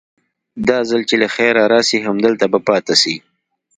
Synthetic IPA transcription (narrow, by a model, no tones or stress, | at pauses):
d̪ɑzalt͡ʃelaxɛɾɑɾɑsiɦamd̪əlt̪abapɑːt̪asi